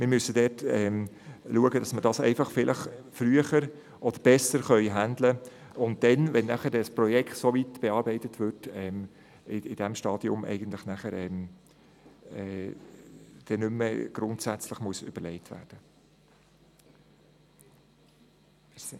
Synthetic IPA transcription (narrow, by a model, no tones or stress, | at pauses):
mɪɾmʏsəd̥ɛːtɛm | luəɡəd̥ɑsmədɑsɛɪfɑχfɪlʔəχfɾryəχəɾ | ʔɔd̥əɾb̥ɛsəɾχœʏɦænd̪lə | ʊnt̚d̥ɛnʋɛnːæχəɾdɛsprɔjɛkʰtsoʋitb̥eɑːɾbɛɪtətʋʏtɛm | ɪɪd̥æmʃtɑːd̥iʊ̰mɛ̰ɪɡ̥əntlɪχnæχəɾɛm | ɛː | d̥ɛnʏmːəɡ̥ɾʊntsæt͡slɪχmuəsʏ̰b̥əɾlɛɪtʋæ̰ːrd̥ə